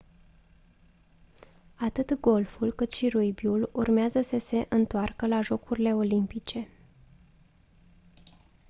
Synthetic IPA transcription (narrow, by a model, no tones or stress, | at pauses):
at̪ɨt̪ɡo̞lfulkɨt̪ʃirujbiulurmeazəsəse̞ʔɨnt̪oarkəlaʒo̞kuɾile̞o̞limpit͡ʃe̞